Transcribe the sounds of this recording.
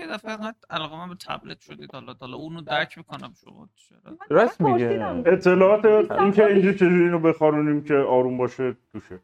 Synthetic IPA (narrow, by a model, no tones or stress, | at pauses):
jed̪æfeɾaælɔːɣemæmbt̪ʰæ̰blit̪ʃod̪ḭːd̪hɒlɒɒlɒunod̪æɾcʰbikʰonæmʃo̰mɒ̰ | t͡ʃʰeɾɒ̰ɾæsmiɡee̞t̪ʰːe̞lɒːɒːt̪eiŋkʰeind͡ʒit͡ʃʰe̞d͡ʒuɾiːnobexɒɾunimcʰeɒːɾumbɒːʃet̪uːʃe